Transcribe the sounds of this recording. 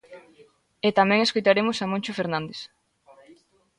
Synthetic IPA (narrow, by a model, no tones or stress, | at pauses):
et̪amɛ̃ŋeskojt̪aɾemʊsamõnt͡ʃofeɾnãnd̪es